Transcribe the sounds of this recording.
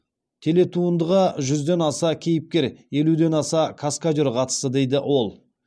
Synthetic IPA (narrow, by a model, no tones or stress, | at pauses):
t̪ʲʰe̞le̞t̪ʰuənd̪əʁɑʒʏzd̪e̞nɑsɑkʲʰe̞jɪp̚kʲe̞ɾje̞lud̪e̞nɑsɑkʰaskad͡ʒɪɾqʰɑt̪ə̥səd̪e̞jd̪ɪʔwʔo̞lˠ